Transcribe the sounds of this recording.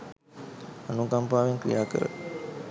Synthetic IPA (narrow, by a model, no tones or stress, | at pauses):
anukampaːʋeŋkɾḭjaːkə̰ɾə̰